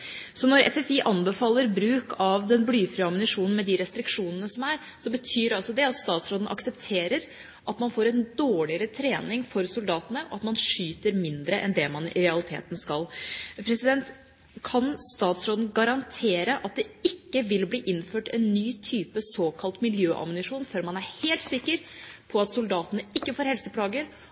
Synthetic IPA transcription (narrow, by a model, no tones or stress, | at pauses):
sɔnɔɾɛ̰fɛfiʔɑnbəfɑːlːəɾbɾʉːkʰɑʋd̪ɛnblyːfɾʏɑmnɪʂuːnn̩mɛd̪ɪɾɛst̪ɾɪkʂuːnənəsɔmæɾ | sɔbət̪ʰyːɾɑlsɔd̪ɛɑt̪st̪ɑːt̪sɾoːd̪n̩ʔɑ̰ksɛpt̪ʰeːɾəɾ | ʔɑt̪mɑnfoːɾɛnd̪oːɭɪəɾət̪ʰɾeːnɪŋfɔɾsʊld̪ɑːt̪ənəʔɔ̰ɑt̪mɑnʂyːt̪əɾmɪnd̪ɾəʔɛ̰nd̪ɛmɑnɪ̰ɾɛɑlɪt̪ʰḛːt̪nskɑlpʰɾɛsɪd̪ɛnt̪ | kʰɑnst̪ɑːt̪sɾoːd̪n̩ɡɑɾɑnt̪ʰeːɾəʔɑt̪̚d̪ɛɪkːəʋɪlbliːʔɪnføːʈɛnːyːt̪ʰyːpəsoːkʰɑlt̪mɪljøːʔɑ̰mʊnɪʂuːnføːɾmɑnæɾheːlt̪sɪkːəɾpʰɔɑt̪sʊld̪ɑːt̪ənəɪkːəfoːɾhɛlsəpʰlɑːɡəɾ